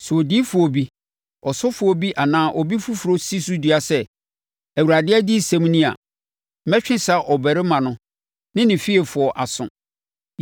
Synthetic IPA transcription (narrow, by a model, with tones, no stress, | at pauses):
sɛ˨ɔ˨di˦fʊ˨ɔ˨bi˦ | ɔ˨sɔ˦fʊ˨ɔ˨bi˦ʔa˨nãː˦ʔɔ˨bi˦fu˦fu˨ɾo˦si˦su˦di˨˦a˨sɛ˦ | æ˨wu˨ɾa˨dɪ˦ɛ˦di˦˨sɛ̃˨m˦nĩ˦a̰˨ | m̩˦mɛ˦t͡ɕᶣɪ̃˦sa˨ʔɔ˨bɛ˨ɾɪ˦mã˨nʊ̃˦ | nɪ̃˦nɪ̃˨fi˦e˨fʊ˨ɔ˨ʔa˨sʊ̰̃˨